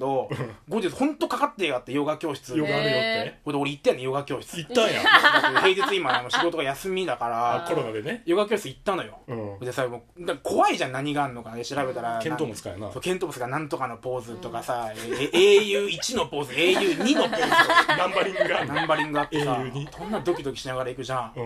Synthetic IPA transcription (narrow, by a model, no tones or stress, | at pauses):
d̪o̞ɡod̪eshõ̞nt̪o̞kakat̪ːeɡat̪ːejo̞ɡakʲjo̞ːɕi̥t͡sɨoɡahod̪eo̞ɾeit̪ːejanːejo̞ɡakʲo̞ːɕi̥t͡sɨit̪ːãjã̰he̞ːd͡ʑit͡sɨimad̪emoɕiɡo̞t̪oajasɨmʲid̪akaɾaoɾonaɡenejo̞ɡakʲjoɕi̥t͡sɨit̪ːano̞jõ̞d̪esamoːd̪akakʰo̞βaiʑãnaɲ̟iɡaːɾɯnːo̞kanad̪eɕiɾabe̞t̪aɾakẽnoska̰na̰sokẽnt̪oːbasɨɡanãnt̪o̞kano̞po̞ːzɨt̪o̞kasaeeːjɯ̟ːit͡ɕino̞po̞ːzɨeːjɯːɲ̟ino̞ponãmbaɾʲĩŋɡɯɡanãmbaɾʲĩŋɡɯ̟at̪ːesaõnːad̪o̞kʲid̪o̞kʲi̥ɕinaɡaɾaikɯ̟ʑã